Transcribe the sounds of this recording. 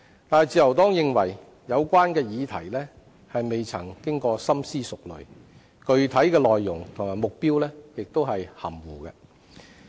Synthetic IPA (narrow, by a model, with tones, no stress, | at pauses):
t̪aː˨nɛ˨jt͡siː˨jɐ˨˩wt̪ɔː˥ŋjɪ˨˧ŋwɐ˨˩j | jɐ˨˧wkʷaː˥nkɛː˧jiː˨˧t̪ʰɐ˨˩jlɛː˥ | hɐ˨jme˨jt͡sʰɐ˨˩ŋkɪ˥ŋkɔː˧sɐ˥msiː˥sʊ˨k̚lɵ̰˨ɥ | kɵ˨˧ɥt̪ʰɐ˨˥jkɛː˧lɔː˨jːʊ˨˩ŋt̪ʰʊ˨˩ŋmaː˨˩jmʊ˨k̚piː˥wlɛː˥jɪ˨k̚t̪o˥wɦɐ˨jhɐ̰˨˩mwuː˨˩kɛː˧